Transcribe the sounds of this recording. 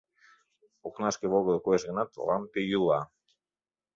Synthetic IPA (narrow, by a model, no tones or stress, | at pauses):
oknaskeβoɣoðokoezɣenat̪lampejula